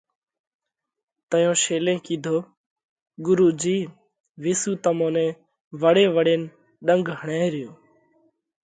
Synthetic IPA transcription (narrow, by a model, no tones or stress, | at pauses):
t̪əjõːʃeːlẽːkiːd̪ʱoː | ɠʊɾuːd͡ʒiː | ʋɪːsuːt̪əmõːnẽː | ʋəɽeːʋəɽeːn | ɗəŋɡɦəɳaːɾɪjoː